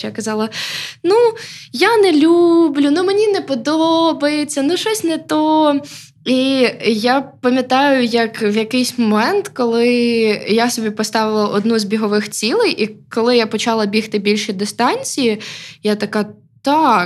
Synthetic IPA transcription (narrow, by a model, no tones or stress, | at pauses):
jakɐzɑlˠɐnujanɛlʲublʲʊnʊmenʲinɛpɔd̪ɔbɐjet͡sʲːɐnʊʃɔsʲnɛt̪ɔ | ijapɐmʲjɐt̪ɑjʊjɐkwjɐkɪjsʲmɔmɛnt̪kɔlˠɪjasɔbʲipɔst̪ɑʋɪlˠɐʔɔd̪nuzbʲiɦɔʋɪxt͡sʲilˠɪjʔikɔlˠɪjapɔt͡ʃɑlˠɐbʲixt̪ɪbʲilʲʃid̪ɪst̪ɑnʲt͡sʲijijat̪ɐkɑ | t̪ɑ